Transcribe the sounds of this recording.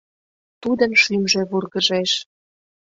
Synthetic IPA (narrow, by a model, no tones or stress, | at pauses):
t̪ud̪ə̆nʃymʒĕβurɣəʒeʃ